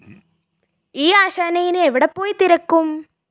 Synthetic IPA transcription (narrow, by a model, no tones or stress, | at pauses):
iːaːɕaːnɐjinɨeʋiɽɐpːo̞ːjit̪iɾɐkːum